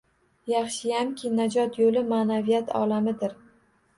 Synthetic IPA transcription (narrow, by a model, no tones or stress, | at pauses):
jɑχʃɪjamkʲʰɪnad͡ʒɒt̪ʰjolɪmanavijat̪ʰɒ̰lamɪd̪ɪɾ